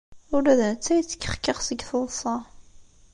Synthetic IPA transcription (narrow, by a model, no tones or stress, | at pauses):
ʊɾæðænt͡sːæjət͡sːə̥kːə̥χkːəχsəɡθəlˤsˤɑ